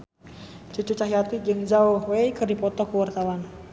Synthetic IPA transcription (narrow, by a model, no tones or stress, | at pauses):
t͡ʃut͡ʃut͡ʃaɦiat̪id͡ʒɨŋd͡ʒauhwejkɨrdipɔt̪ɔkuwart̪awan